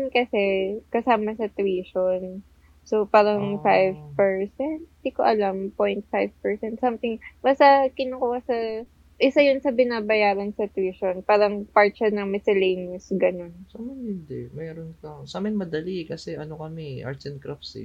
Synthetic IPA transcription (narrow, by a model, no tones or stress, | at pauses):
nkɐsɛkɐsaːmɐsɐt̪wiːʃon | sopaːɾɐŋfajvpɛɹsɛnt̪̚ɪd̪ikoʔɐlɐmpojnt̪̚fajvpɛɹsɛnt̪sɐmt̪ɪŋmɐsɐkɪnokuːhɐsɐ | ʔɪsajʊnsɐbɪnaːbɐjaːɾɐnsɐt̪wiːʃonpaːɾɐŋpaɹt̪̚ʃɐnɐŋmɪsɪlejnɪsɡɐno̞nsamɛnɪnd̪ɛmɛːɾonkɐsamɛnmɐd̪ɐlikɐsɛʔɐnokɐmɛʔa̰ɹt̪sɛnkɾafsḭ